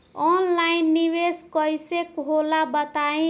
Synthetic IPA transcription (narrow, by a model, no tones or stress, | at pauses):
ɔnlajnːiβeskʌjsekɦolabət̪aĩ